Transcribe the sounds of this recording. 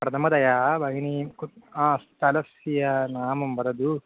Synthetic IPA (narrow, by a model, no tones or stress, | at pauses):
pɾɐt̪ʰɐmɐd̪ɐjabɐɡinikuãːst̪ɐlɐsijɐnaːmɐmbɐɾɐd̪u